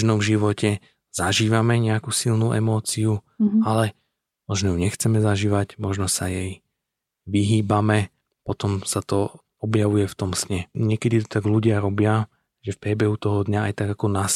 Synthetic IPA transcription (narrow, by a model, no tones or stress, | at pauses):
ʒnɔvʒiʋɔcɛ | z̥aʒiːʋamɛɲɛakusilnuːʔɛmɔːt͡siu | alɛ | mɔʒnɔjuɲɛxt͡sɛmɛzaʒiːʋacmɔʒnɔsajɛj | ʋiɦiːbamɛ | pɔt̪ɔmsat̪ɔ | ɔbjaʋujɛft̪ɔmsɲɛɲɪɛkɛd̪it̪ɔt̪aɡluɟɪaɾɔbɪa | ʒɛfpɾɪɛbɛɦut̪ɔɦɔd̪ɲaajt̪aɡakɔnas